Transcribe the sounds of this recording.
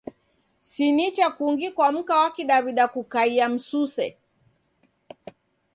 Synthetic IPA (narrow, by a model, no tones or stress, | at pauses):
sinit͡ʃakuŋɡikwam̩kawakiɗaβiɗakukaiam̩susɛ̰